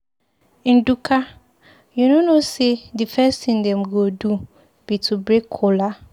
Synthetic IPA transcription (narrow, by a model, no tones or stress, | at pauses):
ĩn̩dukʰa | junonosedifɛstʰĩndɛ̃mɡodu | b̥itʰubɾekʰːola